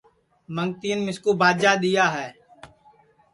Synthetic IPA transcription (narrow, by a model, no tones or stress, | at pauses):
məŋɡt̪iːənmɪskuːbʱaːd͡ʒaːɗ̪ijaːɦɛː